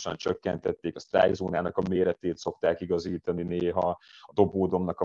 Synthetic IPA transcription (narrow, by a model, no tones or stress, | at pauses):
ʃɒ̰nt͡ʃøkːɛnt̪ɛt̪ːeːkɒst̪ra̰ːjzoːnaːnɒkɒmeːɾɛt̪eːt̪so̞kt̪aːkiɡɒziːt̪ɒnineːɦɒɒd̪o̞boːd̪o̞mnɒkɒ